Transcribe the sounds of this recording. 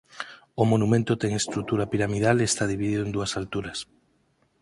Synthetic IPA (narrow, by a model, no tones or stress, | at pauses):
omonumẽnt̪ot̪ɛŋest̪ɾut̪uɾapiɾamiðalest̪aðiβiðiðoend̪uasalt̪uɾas